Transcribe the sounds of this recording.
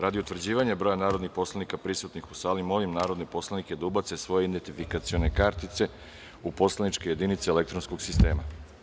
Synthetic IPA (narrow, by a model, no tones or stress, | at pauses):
ɾad̪iut̪ʋr̩d͡ʑiːʋaɲebɾo̞janaːɾo̞d̪nixpo̞slˠanikapɾisut̪nixusaːlimo̞limnaːɾo̞d̪nepo̞slaniked̪aubat̪se̞sʋo̞jeid̪d̪ent̪ifikat̪sio̞ne̞kaɾt̪it̪se̞ | upo̞slˠenit͡ʃke̞je̞d̪init̪seele̞kt̪ɾonsko̞ɡsist̪e̞ːma